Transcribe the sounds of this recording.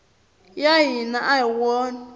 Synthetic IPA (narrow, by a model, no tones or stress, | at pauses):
jajinaʔaiwɔn